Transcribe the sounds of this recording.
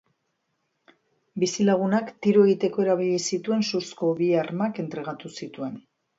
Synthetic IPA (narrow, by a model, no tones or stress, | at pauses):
bisilaɣ̞unakt̪iɾoe̞ɣit̪e̞ko̞e̞ɾaβ̞iʎisit̪ue̞nsusko̞βiaɾmake̞nt̪ɾe̞ɣ̞at̪usit̪ue̞n